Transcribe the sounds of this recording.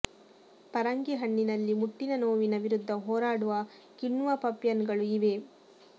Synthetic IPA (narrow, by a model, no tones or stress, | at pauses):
pɐɾɐŋɡeɦɐɳːinɐlːimuʈːinɐnoːʋinɐʋiɾud̪ʱːɐɦoːɾaːɽuʋɐ | kiɳːʋɐpɐpjɐnɡɐɭuiʋe̞